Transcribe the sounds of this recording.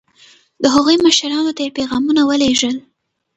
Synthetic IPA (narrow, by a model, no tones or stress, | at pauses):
d̪əɦaɣujməʃɾɑnot̪ajepeɣɑmunawəleʒəl